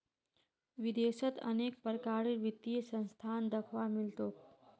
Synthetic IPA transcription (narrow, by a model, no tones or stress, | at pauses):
ʋid̪eʃət̪ə̰nek̚pəɾkaɾiɾʋit̪ːijəsə̃nst̪ʰand̪əkʰʋamɪlt̪oːk